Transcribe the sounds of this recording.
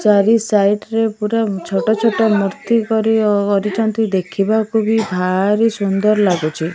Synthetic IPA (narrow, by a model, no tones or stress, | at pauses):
t͡ʃaɾisajʈɾepuɾat͡ʃʰɔʈɔt͡ʃʰɔʈɔmɔɾt̪ikɔɾikɔɾit͡ʃʰɔnt̪id̪ekʰibakʰubibʱaɾisund̪ɔɾlaɡut͡ʃʰi